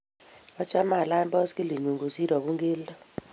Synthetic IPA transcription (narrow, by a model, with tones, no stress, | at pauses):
ɔ˦t͡ʃa˦ma˨la˦mbɔ˦ski˦li˨ɲu˨ŋɡu˨si˦ɾɔ˨ku˦ŋɡe˦ldɔ˦